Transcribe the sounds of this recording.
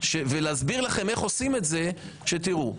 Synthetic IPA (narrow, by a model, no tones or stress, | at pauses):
ʃeveleazbiʁlaχe̞me̞χo̞sime̞tze̞ | ʃetiʁu